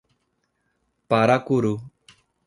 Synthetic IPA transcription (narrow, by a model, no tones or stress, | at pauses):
paɾakuɾu